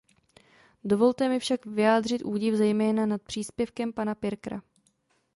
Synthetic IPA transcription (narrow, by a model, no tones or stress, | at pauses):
do̞vo̞lt̪ɛmɪfʃakvɪjaːd̪r̝ɪt̪ʔuːɟɪvzɛjmɛːnanat̪̚pr̥iːspjɛfkɛmpanapɪɾkɾa̰